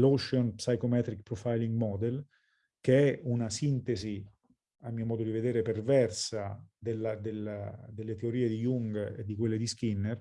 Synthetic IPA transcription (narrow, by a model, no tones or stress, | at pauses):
loʃonpsajkomɛːt̪ɾik̚pɾɔfajliŋɡmɔd̪el | keɛunasint̪ezi | amːiːomɔːd̪od̪ived̪eːɾepervɛrsad̪elːad̪elad̪elːet̪eoɾiːed̪ijuŋɡḛd̪ːik̬welːed̪iskinːer